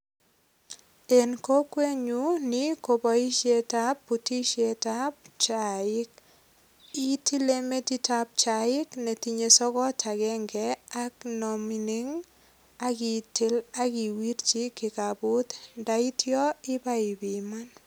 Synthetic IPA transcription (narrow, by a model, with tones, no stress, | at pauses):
e˨nko˦kwe˦ɲu˦ni˦ko˨bɔ˨i˦ʃje˦ta˦pːu˨ti˦ʃe˨ta˦pt͡ʃaɪ˦k̚ | i˦tʰi˦le˦me˦ti˦tap̚t͡ʃa˨ɪ˦kne˨ti˨ɲe˨sɔ˦kɔ˦tʰa˨ɡɛ˦ŋɡɛa˦knɔmi˨ni˦ŋ | a˦ki˨tɪ˦la˦ki˨wi˦ɾt͡ʃi˦kɪ˨ka˨bʊ˦t̪nda˨i˦tʰjɔ˦ɪ˦ba˦ɪ˨bi˨ma˦n